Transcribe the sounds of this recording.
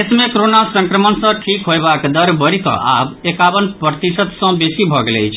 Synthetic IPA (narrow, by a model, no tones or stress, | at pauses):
esmekoɾonasə̃ŋkɾəmənsə̃ʈʰikɦojbakd̪əɾbəɾikɔ̰̃ʔa̰bekabənpɾət̪isət̪sə̃besibʱɔɡelɛ̰jt͡ʃʰ